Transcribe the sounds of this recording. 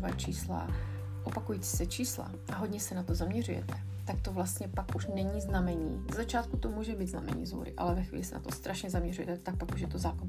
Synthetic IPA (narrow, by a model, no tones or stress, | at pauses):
vaːt͡ʃiːsla̰ | ʔo̞pakujiːt͡si̥ːsɛt͡ʃiːsla̰ | ʔaɦod̪ɲɛsɛnat̪o̞zamɲɛrujɛ̰t̪ɛ | t̪ak̚t̪o̞vlast̪ɲɛpakʔuʃnɛɲiznamɛɲiːzzat͡ʃaːt̪kut̪o̞muːʒɛbiːd̪znamɛ̰ɲḭːzɦṵːɾɪ̰ʔa̰lɛvɛxvḭːlɪsɛna̰t̪ost̪ɾʔaʃɲɛzamɲɛrujɛ̰t̪ɛt̪ak̚pakuʃjɛt̪ozaːko